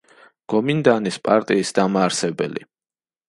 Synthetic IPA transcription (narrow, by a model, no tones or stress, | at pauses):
ɡ̥ɔmind̪anispʼaɾt̪ʼiːsd̪amaːɾsɛbɛlḭ